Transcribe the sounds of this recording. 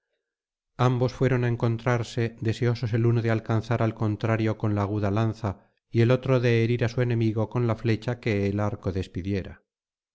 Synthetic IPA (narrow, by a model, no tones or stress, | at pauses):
ambo̞sfwe̞ɾo̞nae̞ŋko̞nt̪ɾaɾse̞ðe̞se̞o̞so̞se̞lunoðealkanθaɾalko̞nt̪ɾaɾjo̞ko̞nlaːɣ̞uðalanθa | ie̞lo̞t̪ɾoðe̞ːɾiɾasue̞nẽ̞miɣo̞ko̞nlafle̞t͡ʃake̞ːlaɾko̞ðe̞spiðje̞ɾa̰